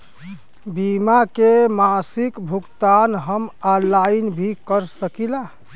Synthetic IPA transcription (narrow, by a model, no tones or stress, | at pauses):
bimakemasikbʱukt̪anɦəmalainbʱikəɾsəkila